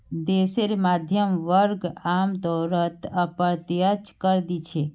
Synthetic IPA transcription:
d̪eseɾmad̪ʱjəmʋəɾɡamd̪ɔɾət̪əpəɾt̪jət͡ʃkəɾd̪it͡ʃʰe

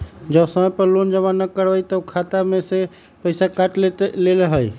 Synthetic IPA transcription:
d͡ʒəbsəməjpəɾlond͡ʒəβanːəkəɾbəjt̪əkʰat̪amese | pəɪsakaʈlelelɦəj

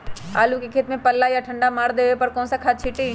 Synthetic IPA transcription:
a̰ːlukekʰeːt̪mẽpɐlːajaʈʰɐ̃ɳɖamaːɾd̪eːʋepɐɾkɔ̃ːnsakʰaːt͡ʃʰɪʈi

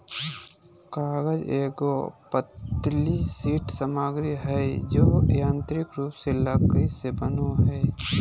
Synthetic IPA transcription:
kaːɡəd͡ʒeːɡopət̪lisiːʈsəmaːɡɾiɦɛed͡ʒoːjãːnt̪ɾɪkɾuːpseləɡisebənoɦɛː

